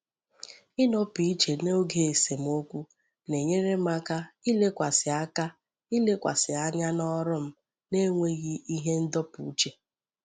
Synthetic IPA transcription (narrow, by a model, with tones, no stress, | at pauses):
ɪ˦nɔ˦pi˨i˦t͡ʃe˨no˦ɡe˨e˨se˨m̩˨˦o˦kʷu˦ | ne˨ɲe˦ɾe˦m˦a˦ka˦i˦le˦kʷa˨sɪ˨a˦ka˦ | i˦le˦kʷa̰˨sɪ˨a˦ɲa˦nɔ˦ɾʊ˦m̩˦ | ne˦ŋʷe˦ɣi˦i˦ɦe˦n̩˦dɔ˦pṵ˨u˦t͡ʃe˦